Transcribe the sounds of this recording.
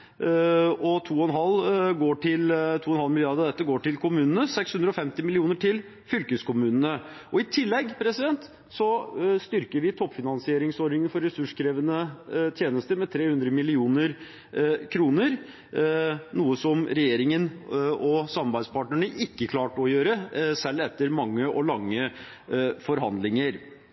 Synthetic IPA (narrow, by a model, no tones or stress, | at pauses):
ɔt̪ʰuːɔɛnɦɑlːɡoːʈʰɪlt̪ʰuːɔɛnhɑlmɪlɪjɑd̪d̪ɛt̪ːəɡoːʈɪlkʰʊmʉːnənəsɛkshʉnd̪ɾɔfɛmt̪ɪmɪlɪuːnəʈʰɪl | fʏlkəskʰʊmʉːnənəʔɔɪt̪ʰɪlːɛɡːpʰɾɛsɪd̪ɛnt̪ | sɔst̪ʏɾkəɾʋɪt̪ʰɔpːfɪnɑnsɪeːɾɪŋsɔɾnɪŋənfɔɾːɛsʉʂkʰɾeːʋənət̪ʰjeːnəst̪əmɛt̪ʰɾeːhʉnd̪ɾəmɪlɪuːnəɾ | kʰɾuːnəɾ | nuːəsɔmɾɛjeːɾɪŋənɔsɑmːɑɾbæɪd̪spʰɑːʈɳəɳəʔɪkːəkʰlɑːʈɔjøːɾəsɛlːɛt̪ːəɾmɑŋːəʔɔlɑŋːə | fɔɾɦɑnd̪lɪŋəɾ